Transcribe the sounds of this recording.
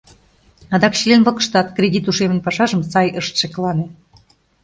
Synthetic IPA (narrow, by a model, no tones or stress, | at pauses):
ɑd̪ɑkɕilʲenvɤ̆kə̥̆ʃt̪ɑt̪kɾʲedʲit̪uʃemə̆nʲpɑʃɑʒə̆msɑjəʃt̪ʃeklɑne